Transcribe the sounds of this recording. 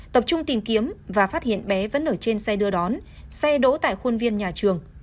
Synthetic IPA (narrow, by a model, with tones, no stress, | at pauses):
t̪ə˨˩p̚t͡ɕʊ˧ŋ͡mt̪i˨˩ŋki˨˦əmvaː˨˩faː˦˥t̚hḭ˧˨ənɓɛ˨˦və̰˧˥nːʔəː˧˩jt͡ɕe˧nsɛ˧ɗɨ˧əɗɔ˨˦n | sɛ˧ɗo̰˧˦t̪a̰ː˧˨jxo˧nvi˧ənɲaː˨˩t͡ɕɨ˨˩əŋ